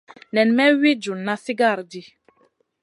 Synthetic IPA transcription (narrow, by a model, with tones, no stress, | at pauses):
nɛ˨nmɛ˦wi˦d͡ʒu˨nːa˦si˦ɡa˦˨ɾdi˦